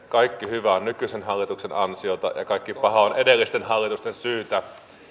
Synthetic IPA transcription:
kɑikːihyʋæonnykysenhɑlːit̪uksenɑnsiot̪ɑ̰jɑ̰kɑˑikːipɑhɑonedelːist̪enhɑlːit̪ust̪ensyːt̪æ

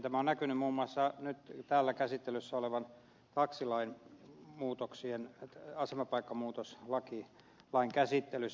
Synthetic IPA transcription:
t̪æmæonnækynymmuːmuɑsːɑnyt̪t̪æːlːækæsit̪ːelysːæoleʋɑn | t̪ɑksilɑinmuːt̪oksienɑsemɑpɑikːɑmuːt̪oslɑki | lɑiŋkæsit̪ːelys

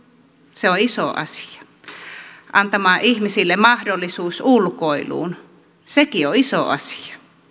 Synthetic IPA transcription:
seoisoʔɑ̰si̥ɑ̥ | ʔɑnt̪ɑmɑːʔihmisilːemɑhdolːˑisuːsulkoilṵːn | sekioisoʔɑ̰si̥ɑ̥

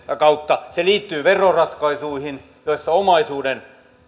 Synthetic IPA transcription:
jɑkɑut̪ːɑseliːt̪ːyːʋerorɑt̪kɑisuihin | joisːɑomɑisuːden

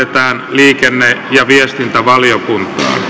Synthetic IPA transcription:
et̪æːnliːkenːejɑʋiest̪int̪æʋɑljokunt̪ˑɑ̰ːn

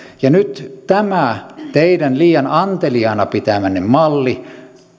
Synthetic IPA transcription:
jɑnyt̪t̪æmæt̪eidænliːjɑnɑnt̪eliɑˑnɑpit̪æmænːemmɑlːi

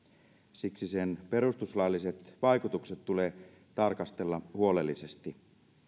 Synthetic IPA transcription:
siksise̞npe̞ɾust̪uslɑːlːise̞t̪ʋɑjkut̪ukset̪tule̞ː | t̪ɑrkɑst̪e̞lːɑhuo̞le̞lːise̞st̪i

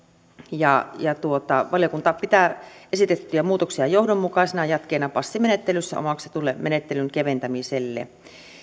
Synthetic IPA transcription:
jɑjɑt̪uot̪ɑʋɑljokunt̪ɑpit̪æʔesit̪et̪ːyæmuːt̪oksiɑjohdomːukɑˑisinɑjɑt̪keːnɑpɑsːimenet̪ːelysːæ̰o̰mɑkset̪ulːemenet̪ːelyŋkeʋent̪æmiselːḛ

